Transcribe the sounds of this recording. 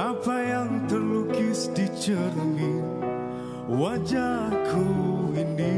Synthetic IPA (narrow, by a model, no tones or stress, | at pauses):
apajaŋt̪ərlukisdit͡ʃərni | wad͡ʒakʰuini